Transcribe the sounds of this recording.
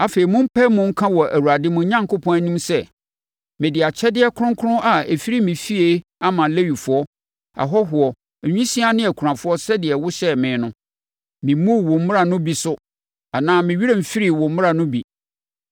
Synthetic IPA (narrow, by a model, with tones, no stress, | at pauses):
a˨fe˨ɾi˨mʊ̃˦m̩˦pʰɛ˦mʊ̃˦ŋ̩˦kʰã˦wɔ˨ʔæ˨wu˨a˨dɪ˦mʊ̃˨˦ɲã˦ŋkʰʊ˦pʰɔ̃˦æ˦nĩ˦msɛ˦ | mɪ̃˨dɪ˨a˨t͡ɕʰɛ˦dɪ˦ɛ˦kʰʊ˦ɾʊ̃˦kʰʊ˦ɾʊ̃˦ʔa˨e˨fi˦ɾi˦mĩ˨fi˦e˦a˦mã˨le˦wi˨fʊ˦ɔ˦ | a̰˨ɦɔ˦ɦʊ˨ɔ˨ | ɲᶣĩ˦sĩ˦a˦nɪ̃˦æ˨kʰu˨ɾã˨fʊ˦ɔ˦sɛ˦dɪ˨ɛ˨wʊ˦ɕɛ˦mɪ̃ː˨˦nʊ̃˦ | mɪ̃˨˦mʊ̃˦˨wʊ̃˨m̩˦mɪ̃˦ɾa˨nʊ̃˦bi˨sʊ˦ | a˨nãː˦mɪ̃˨ɥi˦ɾe˦m̩˨fi˦ɾi˦wʊ̃˨m̩˦mʊ̃˦a˨nʊ̃˦bi˨